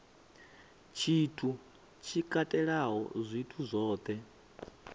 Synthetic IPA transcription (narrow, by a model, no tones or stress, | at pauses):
t͡ʃʰitʰu | t͡ʃʰikʼatʼɛɺaɦɔ̰zʷitʰuzʷɔːt̪ʰʼɛ